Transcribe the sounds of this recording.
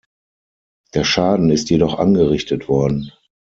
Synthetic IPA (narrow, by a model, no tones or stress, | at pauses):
d̥eːɐʃaːdn̩ɪstjedɔχʔa̰nɡəʁɪçtətv̥ɔɐdn̩